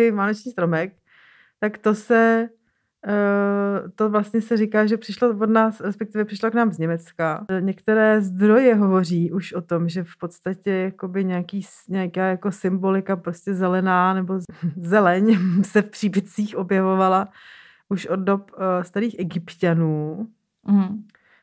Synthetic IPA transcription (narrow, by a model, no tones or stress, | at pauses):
ɪmaːnot͡ʃɲiːst̪ɾo̞mɛk̚ | t̪akt̪o̞sɛ | t̪o̞vlast̪ɲɛsɛɾɪkaːʒɛpr̥ɪʃlovodnaːsɾɛspɛkt̪ɪvɛpr̥ɪʃloknaːmzɲɛmɛt͡skaɲɛkt̪ɛɾɛːzd̪ɾo̞jɛɦo̞vo̞r̝iːʔuʃʔot̪o̞mʒɛfpo̞t̪st̪acɛjako̞bɪɲɛakiː | ɲɛakaːjako̞sɪmbo̞lɪkapɾoscɛzɛlɛnaːnɛbo̞zɛlɛɲsɛfpr̥iːbɪt͡siːxo̞bjɛvo̞vala | ʔuʃʔod̚do̞pst̪aɾiːxʔɛɡɪpcanuː